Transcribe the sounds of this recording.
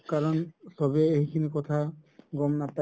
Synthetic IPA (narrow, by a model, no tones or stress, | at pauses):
kaɾɔnsɔbeeɦikʰinekɔt̪ʰaɡɔmnapa